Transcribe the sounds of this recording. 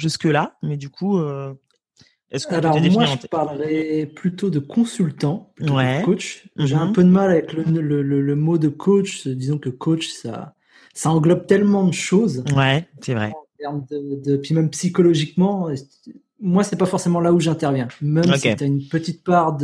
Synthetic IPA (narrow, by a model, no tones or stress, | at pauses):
ʒyskəlamɛd̪ykʰuø | ɛskalɔʁd̪emwaʒəpaʁləʁɛplyt̪od̪əkʰɔ̃sylt̪ɑ̃plyt̪owɛkot͡ʃʒɛɛ̃pød̪əmalavɛklələlələmod̪əkʰot͡ʃd̪izɔ̃kəkʰot͡ʃsa̰ | saɑ̃ɡlɔb̚t̪ɛlmɑ̃d̪əʃozwɛsɛvʁɛ̰ɑ̃t̪ɛʁmd̪əd̪əpɥimɛmpsikɔlɔʒikmɑ̃e | mwasɛpafɔʁsemɑ̃lauʒɛ̃t̪ɛʁvjɛ̃mɛmsɛt̪yaynpət̪it̪̚paʁd̪